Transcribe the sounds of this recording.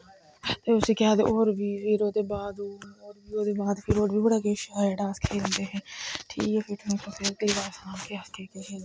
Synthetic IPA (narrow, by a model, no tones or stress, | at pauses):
t̪eːʊsẽːkjaːd̪ḛʔoːɾʋiːʋiːɾoːd̪eːbaːd̪oːɾoːɾʋiːɾoːd̪eːbaːd̪fʰɪːɾoːɖʋiːbəɽaːkeːʃɾɛːɖaːskʰeːlə̃ːnd̪eːɦɛ̃ːʈʰḭːkɛːfʰɪʈʰmẽːkoseɾkliːʋaːsãːkeːəst̪eːkeːʃeː